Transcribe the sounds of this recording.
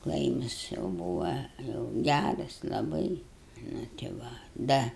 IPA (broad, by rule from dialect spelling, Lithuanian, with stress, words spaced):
ˈklˠɐɪmɐs jɛʊ ˈbuːʋɐ jɛʊ ˈɡʲærɐs lˠɐˈbɐɪ nʊ tʲɪ ˈʋɐ ˈdɐ